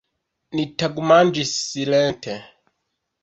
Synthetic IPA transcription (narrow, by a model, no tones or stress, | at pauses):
nitaɡumand͡ʒissilɛntʰɛ